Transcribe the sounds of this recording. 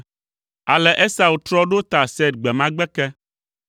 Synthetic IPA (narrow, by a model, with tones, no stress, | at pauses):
a˨lɛ˨ʔɛ˦sa˨wu˨t̪ɾɔ˦ɖo˦t̪a˨sɛ˦d̪̚ɡ͡bɛ˨mã˦ɡ͡bɛ˦kɛ˦